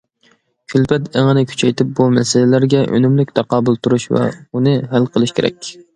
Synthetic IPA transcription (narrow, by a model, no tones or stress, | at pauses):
kʲʰylpʰɛt̪ʰeŋənɨkʲʰy̥t͡ʃʰɛjt̪ʰɪp̚bumɛsɪlɪlæɾɡʲɛʔø̰nymlykʲt̪ʰɑqɑːbɨlˠt̪ʰuɾuʃvɛ̰unɨɦælqʰəlˠɨʃkʲʰeɾɛ̰kʲ